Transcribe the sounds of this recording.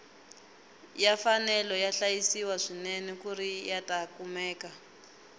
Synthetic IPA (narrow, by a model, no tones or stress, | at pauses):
jafanɛlɔjaɬajisiwaʂinɛnɛkuɾijatakumɛːka